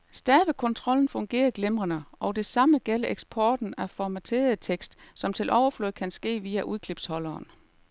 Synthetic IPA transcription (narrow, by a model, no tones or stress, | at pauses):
sd̥æɐʋəkʰɔ̽nt͡sʰʁɒ̽ln̩fɔ̽ŋɡ̥e̝̰ːɐɡ̥lemʁɐnəɒ̽d̥e̝sɑ̈məɡ̥elɐʔeɡ̥sb̥ʰɒːd̥n̩æfɒmæt͡sʰe̝̰ːɐð̩ˠt͡sʰeɡ̥sd̥sɒ̽mt͡sʰe̝lʔɒʊɐfløð̩ˠkʰænsɡ̥e̝̰ːʋiːæʔuðˠkʰle̝b̥shɒ̽lɐːn